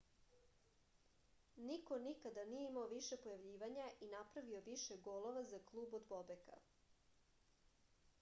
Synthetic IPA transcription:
niko̞nikad̪anije̞imaoʋiʃe̞po̞jaʋʎiːʋaɲaʔinapɾaʋio̞ʋiʃe̞ɡoːlˠoʋazaklˠuːbod̪bobeka̰

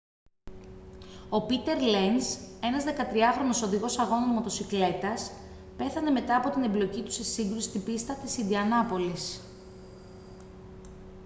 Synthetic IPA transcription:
o̞pit̪e̞ɾlense̞nɐzðe̞kɐt̪ɾiɐxɾo̞no̞so̞ðiɣo̞sɐɣo̞nomo̞t̪o̞sikle̞t̪ɐs | pe̞θɐne̞me̞t̪ɐːpo̞t̪inemblo̞cit̪u̥sesiŋɡɾusi̥st̪ibist̪ɐt̪isind̪iɐnɐpo̞lis

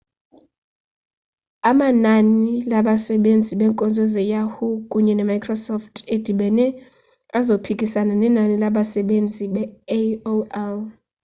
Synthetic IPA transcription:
amananilaɓasɛɓend͡zʱiɓɛŋkʼɔnd͡zʱɔzɛjahukʼuɲɛnɛmajkʰrɔsɔftʰed̥ʱiɓɛnɛ | azopʰikʼisananɛnanilaɓasɛɓend͡zʱiɓɛoɛl

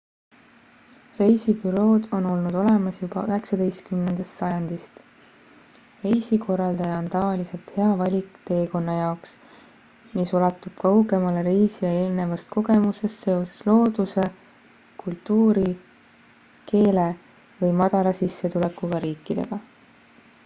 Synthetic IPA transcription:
re̞jsibyɾo̞ːd̪o̞no̞lnud̪̥o̞le̞mɑsjub̥ɑ̰øɦe̞ksɑd̪e̞jst̪̚kymnend̪̥ɑst̪sɑjɑnd̪̥ist̪ | re̞jsikʰo̞rːɑld̪ɑjɑo̞nt̪ɑvɑlise̞lt̪he̞ɑvɑlʲikˑt̪e̞ːko̞nːɑjɑoks | miso̞lɑt̪ːˑub̥̚kɑwɡe̞mɑleɾe̞jsijɑe̞ːlne̞vɑst̪̚ko̞ɡ̥e̞muse̞st̪se̞o̞se̞̥slo̞ːd̪̥use̞ | kult̪ːˑuːɾi | ke̞ːle | vɤjmɑd̪̥ɑlɑsisːe̞t̪ule̞kːˑuɡ̥ɑɾiːkːˑid̪̥e̞̰ɡ̥ɑ

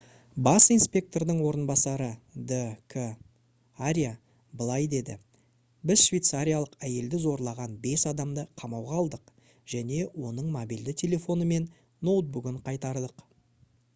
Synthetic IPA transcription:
bɑsijnspʲe̞k̚t̪o̞rd̪əɴwo̞ɾənbɑsɑɾəd̪əkʰə | aɾʲija | bəlˠɑjd̪e̞d̪ɪ̰ | bɪzʃvʲejt̪saɾʲijalˠəqæje̞ld̪ɪzo̞ɾlˠɑʁɑnbe̞sɑd̪ɑmd̪əqʰɑmɑwʁɑɑlˠd̪əq | ʒ̥æne̞wo̞nəɴmobild̪ɪt̪ʲʰe̞lʲe̞fo̞nəme̞n | no̞wt̪̚bʊɡʲɪɴqʰɑjt̪ɑɾd̪əq

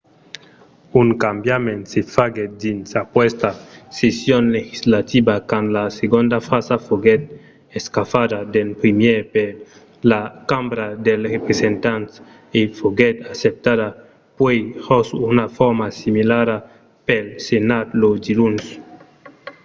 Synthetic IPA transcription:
uŋkambjamẽnsefaɡed̪insapwest̪asesjonlexizlat̪ibakanlaseɡond̪afasafoɡet̪̚ | eskafadad̪elpɾimjeɾpe | lakambɾad̪elrepɾesent̪ant̪ | efoɡet̪asep̚t̪aða | pwehosunafoɾmasimilaɾa | pelsenad̪lod̪iluns

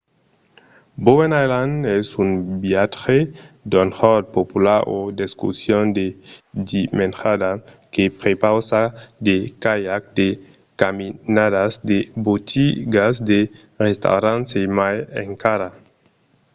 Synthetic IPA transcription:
bowenajlandɛsumbjatxed̪onhɔd̪̚populaɾod̪eskṵsjond̪ed̪imenxad̪akepɾepawsad̪ekajak̚d̪e | kaminadazd̪ebot̪iɡasd̪e | rest̪a̰wɾansemajḛŋkaɾa

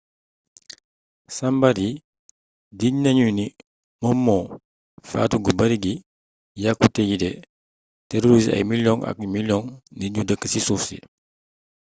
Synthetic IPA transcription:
sambaɾi | diɲnɐɲuni | mɔmːɔ | fa̰ːtuɡubɐɾiɡi | jakːutɛjidɛ | tɛɾoɾis̬ɐ̰jmiljɔŋʔɐ̰k̚miljɔŋniɲɟudəkːəsisufsḭ

